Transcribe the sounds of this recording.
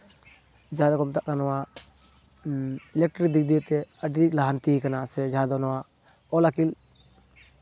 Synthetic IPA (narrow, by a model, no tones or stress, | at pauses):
d͡ʒaad̪akɔmt̪aʔkanɔwa | lɛk̚ʈɾid̪ik̚d̪ijet̪ɛəɖilaɦant̪ikanasɛd͡ʒaɦad̪ɔnɔwa | ɔlakil